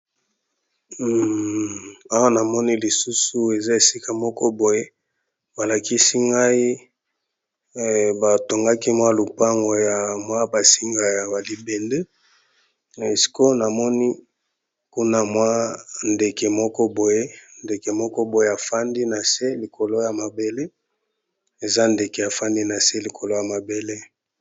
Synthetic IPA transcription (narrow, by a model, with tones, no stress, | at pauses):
a˦wa˦na˨mɔ˦ni˦li˨su˦su˦e˨za˦e˨si˦ka˦mɔ˦kɔ˦bo˨je˦ | ba˨la˨ki˦si˦ŋɡa˦i˦˨ | ba˨to˨ŋɡa˦ki˦mwa˦lu˨pa˦ŋɡo˨ja˨mwa˦ba˨si˦ŋɡa˨ja˨ba˨li˨bɛ˨nde˦˨ | e˨si̥˨ko˦na˨mɔ˦ni˦ | ku˦na˦mwa˦nde˨ke˨mɔ˦kɔ˦bo˨je˦nde˨ke˨mɔ˦kɔ˦bo˨je˦a˨fa˦ndi˦na˨se˦li˨ko˨lo˦ja˨ma˨be˨le˦ | e˨za˦nde˨ke˨ja˨fa˦ndi˦na˨se˦li˨kʰo˨lo˦ja˨ma˨be˨le˦